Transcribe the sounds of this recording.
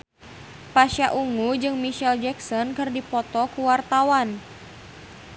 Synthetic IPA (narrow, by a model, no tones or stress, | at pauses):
paʃaʔuŋud͡ʒɨŋmiʃɛld͡ʒɛksɔnkɨrdipɔt̪ɔkuwart̪awan